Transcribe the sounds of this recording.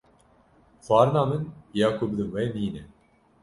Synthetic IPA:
xɑːɾɨnɑːmɨnjaːkʰobɨd̪ɨnwɛjniːnɛ

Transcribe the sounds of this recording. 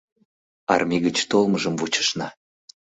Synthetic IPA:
ɑ̰rmʲiɣət͡ɕt̪olˠməʒəmvut͡ɕə̥ʃnɑ

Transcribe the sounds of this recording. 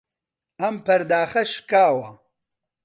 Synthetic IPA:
ɐmpʰɐɾd̪aːxɐʃkaːwɐ

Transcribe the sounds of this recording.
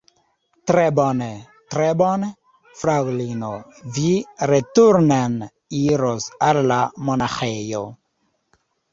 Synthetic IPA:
tɾebɔne | t̪ɾebɔn | fɾawlino | viɾetuɾnan | iɾosalːamonaxejo̰

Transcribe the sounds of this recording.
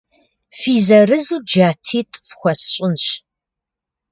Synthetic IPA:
fiːzɐrɨzuːd͡ʒaːtʰiːtʼfxʷɔsɕʼɪnɕ

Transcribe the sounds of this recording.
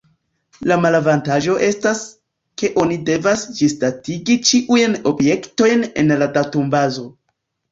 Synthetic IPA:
lamalavantaʒo̞ʔe̞stas | ke̞ʔo̞nide̞vasd͡ʒistatiɡit͡ʃiʔujno̞bje̞kto̞jne̞̰nladatumbazo̞

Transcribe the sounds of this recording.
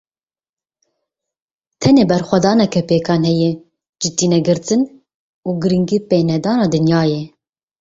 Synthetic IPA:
t̪ʰɛneːbɛɾxʷɛd̪ɑːnɛkʰɛpeːkʰɑːnɦɛjɛ | d͡ʒɨt̪iːnɛɡɨɾt̪ɨn | uːɡɨɾɨŋɡiːpeːnɛd̪ɑːnɑːd̪ɨnjɑːje

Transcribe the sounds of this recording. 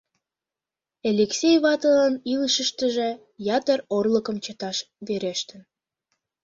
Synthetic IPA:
elʲeksʲejβɑt̪əlɑniləʃəʃt̪əʒĕ | jɑt̪ərorləkəmt͡ɕət̪ɑʃ | βeɾeʃt̪ən

